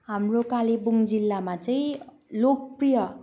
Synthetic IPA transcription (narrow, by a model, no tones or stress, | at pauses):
ɦamrokalebuŋd͡zilːamat͡saĩ | lok̚prijʌ